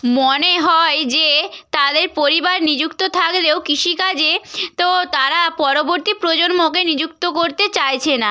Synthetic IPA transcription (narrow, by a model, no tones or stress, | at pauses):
moneɦɔed͡ʑet̪ad̪eɾpoɾibaɾnid͡ʑukt̪ot̪ʰakleokiʃikad͡ʑet̪ot̪aɾapɔɾoboɾt̪ipɾod͡ʑonmokenid͡ʑuk̚t̪okoɾt̪et͡ɕajt͡ɕʰena